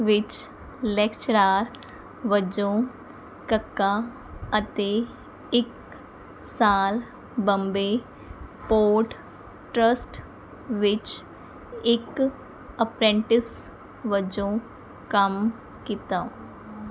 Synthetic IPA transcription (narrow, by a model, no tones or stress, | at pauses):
ʋɪt͡ʃ | lɛːkt͡ʃɾaːɾ | ʋəd͡ʒõː | kəkːaː | ət̪eː | ɪk | saːl | bəmbeː | poːʈ | ʈɾəsʈ | ʋɪt͡ʃ | ɪk | əpɾẽːɳʈɪs | ʋəd͡ʒõː | kəm | kit̪a